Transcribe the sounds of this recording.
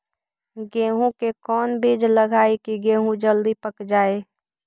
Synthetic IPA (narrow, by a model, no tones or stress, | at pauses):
ɡeːɦũkekɔːnbeːd͡ʒləɡʱaːekiɡẽːɦũd͡ʒəld̪ipəkd͡ʒaːe